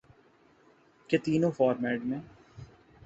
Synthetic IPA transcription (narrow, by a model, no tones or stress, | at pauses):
ket̪iːnõfɔːɾmɛːʈmẽː